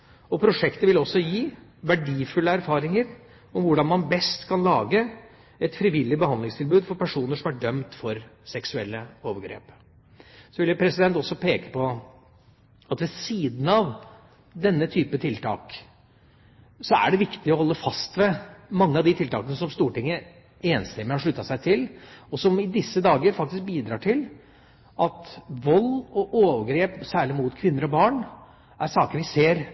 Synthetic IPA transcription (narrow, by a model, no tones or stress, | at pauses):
ɔpʰɾʊʂɛkt̪əʋɪlɔsːɔjiːʋæɖiːfʉlːəæɾfɑːɾɪŋəɾ | ɔmʋʊɖɑnmɑnbɛst̪kʰɑnlɑːɡə | ɛt̪fɾɪʋɪlːɪbəhɑnd̪lɪŋst̪ʰɪlbʉːd̪fɔɾpæʂuːnəʂɔmæɖœmt̪fɔɾsɛksʉɛlːəoːʋəɡɾḛːp | sɔʋɪləpʰɾɛsɪd̪ɛnt̪ɔsːɔpʰeːkə̥pʰɔ | ɑt̪ʋɛsiːd̪n̩ɑʋ | d̪ɛnːət̪ʰyːpət̪ʰɪlt̪ʰɑ̰ːk | sɔæ̰ɖɛʋɪkt̪ɪɔhɔlːəfɑst̪ʋɛmɑŋːəɑʋd̪ɪt̪ɪlt̪ɑːkənəsɔmst̪uːʈɪŋːə | eːnst̪ɛmːɪhɑʂɭʉt̪ːɑsæɪt̪ʰɪlɔsɔmɪd̪ɪsːəd̪ɑːɡəɾfɑk̚t̪ɪsk̚biːd̪ɾɑːʈʰɪl | ʔɑt̪ʋɔlːɔʔoːʋəɡɾeːpsæːɭɪmut̪kʰʋɪnːəɾɔbɑːɳ | æɾsɑːkəɾʋɪseːɾ